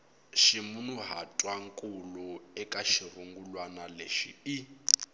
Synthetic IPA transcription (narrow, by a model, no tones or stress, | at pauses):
ʃimunuɦatʼwaŋkʼuluɛkʼaʃiruŋɡulwanaleʃḭi